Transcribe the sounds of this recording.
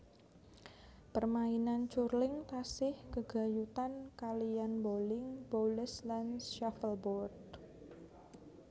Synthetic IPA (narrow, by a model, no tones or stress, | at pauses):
pərmainant͡ʃurlɪŋt̪asɪhkəɡ̥a̤jut̪ankalijanbolɪŋboləslanʃafəlbɔrd